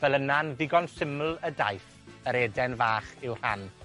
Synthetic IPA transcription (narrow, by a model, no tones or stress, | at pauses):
vɛlˠənanvɪɡɔnsɪml̩ˠəda̰jθ | əɾeːdɛnvaːχɪwr̥a̰n